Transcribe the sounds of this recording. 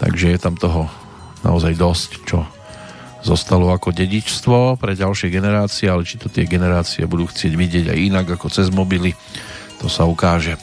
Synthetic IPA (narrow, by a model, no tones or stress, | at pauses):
t̪a̰ɡʒɛjɛt̪amt̪ɔɦɔ | na̰ɔzajd̪ɔsct͡ʃɔ | zɔst̪alɔakɔɟɛɟit͡ʃst̪ʋɔpɾɛɟalʃɪɛɡɛnɛɾaːt͡siɛalɛt͡ʃi̥t̪ɔt̪ɪɛɡɛnɛɾaːt͡siɛ̰bud̪uːxt͡sɪɛɟʋiɟɪɛɟa̰jinaɡakɔt͡sɛzmɔbili | t̪ɔsaukaːʒɛ